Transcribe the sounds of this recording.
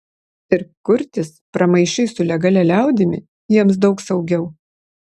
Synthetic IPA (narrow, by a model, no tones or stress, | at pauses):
ɪɾkʊɾʲt̪ʲɪspɾɐmɐɪʃʲɛɪsʊlʲɛɡɐlʲɛlʲæˑʊd̪ʲɪmʲɪ̰ | jiɛmsd̪ɒʊksɐʊɡʲɛʊ